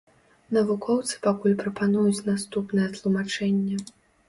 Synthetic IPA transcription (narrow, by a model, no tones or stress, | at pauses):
nɐvukɔwt̪sɨ̥pakulʲpɾɐpanujut͡sʲnast̪upnɨjɛt̪lˠumat͡ʂɛnʲːɐ